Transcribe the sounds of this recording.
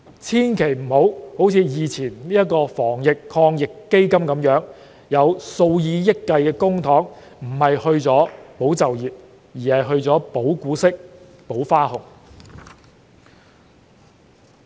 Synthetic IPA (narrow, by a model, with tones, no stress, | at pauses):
t͡sʰiː˥nkʰe˨˩jm̩˨˩ho˨˥who˨˥wt͡sʰiː˨˧jiː˨t͡sʰiː˨˩nliː˥jɐ˥t̚kːɔː˧fɔː˨˩ŋjɪ˨kʰɔː˧ŋjɪ˨kːe˥jkɐ˥mkɐ˨˥mjœː˨˥ŋ | jɐ˨˧wso˧wjiː˨˧jɪ˥kːɐ˧jkɛː˧kʊ˥ŋt̪ʰɔː˨˥ŋ | m̩˨˩hɐ˨jhɵ˧ɥt͡sɔː˨˥po˨˥wt͡sɐ˨wjiː˨˩p̚ | jiː˨˩hɐ˨jɦɵ˧ɥt͡sɔː˨˥po˨˥wkuː˨˥sɪ˥k̚ | po˨˥wfaː˥hʊ˨˩ŋ